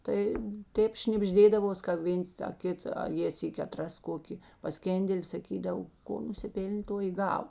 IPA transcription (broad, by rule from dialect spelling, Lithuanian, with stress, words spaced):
tɐɪ ˈtʲeːp ʃʲnʲɪbʲˈʒʲdʲeːdɐʋoːs kɐ ˈʋʲeːns tɐ ˈkʲɪt ɐ ˈjeː ˈsʲiːkʲɪ ɐˈtrɐs ˈkoːkʲɪ pɐˈsʲkʲeːnʲdʲɛlʲɪ sɐˈkʲiːdɐw ˈkoː nʊsʲɪˈpʲeːlʲnʲ ˈtoː ɪ ˈɡɑːʋɐ